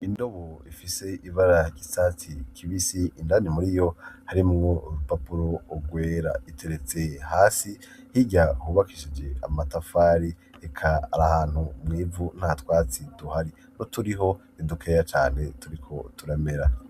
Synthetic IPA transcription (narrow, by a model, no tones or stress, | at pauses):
indo̞βoifise̞ʔivaɾaɟisat͡sikʰiβisiʔːndanimuɾijo̞haɾimŋopapuɾo̞ːɡwe̞ːɾa̰itʰe̞ɾet͡se̞haːsi | hiɟahuːβakiʃid͡ʒe̞a̰matafaːɾi | ekʰaa̰ɾahaːn̥humŋiːvun̥atwaːt͡siduhaɾi | notuɾiɦo̞ | idukʰeːjat͡ʃa̰ːn̥e̞tuɾikʰo̞tuɾame̞ɾa